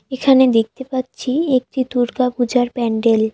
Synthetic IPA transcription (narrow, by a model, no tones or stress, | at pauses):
ekʰaned̪ek̚t̪epatːɕʰiek̚ʈit̪uɾkapud͡ʑaɾpɛɳɖel